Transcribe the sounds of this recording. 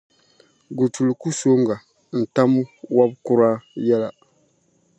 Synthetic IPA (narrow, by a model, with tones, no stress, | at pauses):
ɡu˨tu˨lu˨ku˦so˦ŋ˦ɡa˨ | n̩˨ta˦m˦wa˦b̚ku˦ɾa˦jɛ˦la˨